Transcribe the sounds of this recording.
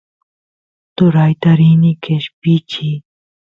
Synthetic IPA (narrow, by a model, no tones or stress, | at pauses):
t̪uɾaːjt̪ɐɾiːnikeɕpiːt͡ɕʰi